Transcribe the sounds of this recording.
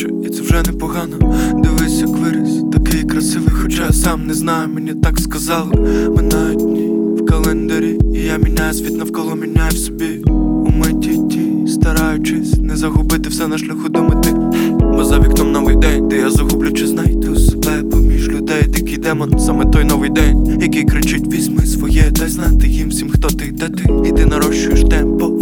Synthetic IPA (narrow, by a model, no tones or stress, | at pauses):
t͡ʃ | at̪sɛwʒɛnɛpɔɦɑnɔd̪ɪlˠɪsʲɐkʋɪɾɪsʲt̪ɐkɪjkɾɐsɪʋɪjxɔt͡ʃasɑmnɛznɑjʊmenʲit̪ɑkskɐzɑlˠmɪnɐdʲnʲiwkɐlˠɛnd̪ɐɾʲiːjamʲinʲːajʊsʲʋʲit̪nɐwkɔlˠɔmʲinʲːajʊwsʲɔbʲiʊmɛtʲitʲist̪ɐɾɑjʊt͡ʃɪsʲnɛzɐɦʊbɪt̪ɪwsɛnɐʃlʲɐxud̪ɔmɪt̪ɪbɔzɐʋʲiknɐmnɔʋɪjd̪ɛnʲt̪ɪjazɐɦublʲʊt͡ʃɪznɑjt̪ɛʊse̥bɛpɔmʲiʒlʲʊd̪ɛjd̪ɪkɪjd̪ɛmɔnsamɛt̪ɔjnɔʋɪjd̪ɛnʲjɐkɪjkɾɪt͡ʃɪtʲʋʲizʲmɪsʋɔjɛd̪ɐznajt̪ɪjimsʲimxt̪ɔt̪ɪd̪ɐt̪ɪːt̪ɪnɐɾɔʃt͡ʃʊjeʃt̪ɛmpɔ